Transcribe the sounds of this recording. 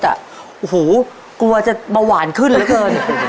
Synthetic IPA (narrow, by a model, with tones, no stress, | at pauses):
t̪a̰˨˩ | ʔu˧˩huː˩˦ | klu˧ɐt͡ɕa˨˩ma˧waː˨˩˦nkʰɯ˥˩nlɛː˦˥kɤː˧n